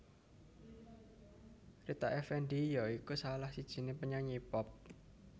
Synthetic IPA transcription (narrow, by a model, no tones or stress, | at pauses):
rit̪aʔɛfɛnɖijɔikusalahsid̥ʒ̥i̤nepəɲaɲipɔp̚